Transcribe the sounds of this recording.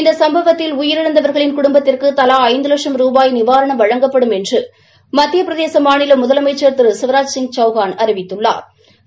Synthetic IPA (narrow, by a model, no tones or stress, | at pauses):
ɪnd̪ɐsɐmbɐʋɐt̪ːɪlʊjɪɾɪɽɐnd̪ɐʋɐɾɣɐɭɪnkʊɽʊmbɐt̪ːɪrkɯt̪ɐlaːɐɪnd̪ɯlɐkʂɐmɾuːbaːjnɪʋaːɾɐɳɐmʋɐɻɐŋɡɐpːɐɽɯmɛndrɯ | mɐt̪ːɪjɐpɪɾɐðeːsɐmaːɳɪlɐmʊðɐlɐmɐɪt͡ʃːɐɾt̪ɯɾɯsɪʋɐɾaːd͡ʒsɪŋɡ̚t͡ʃɐʊɣaːnɐɾɪʋɪt̪ːɯɭːa̰ːɾ